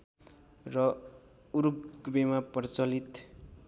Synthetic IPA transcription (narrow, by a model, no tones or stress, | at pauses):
rʌ | uɾup̚ɡbemapʌrt͡sʌlit̪